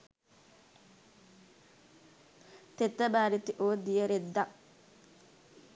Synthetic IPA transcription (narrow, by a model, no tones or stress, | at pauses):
t̪et̪ːɐbaːɾit̪iʔoːd̪ijeɾed̪ːɐ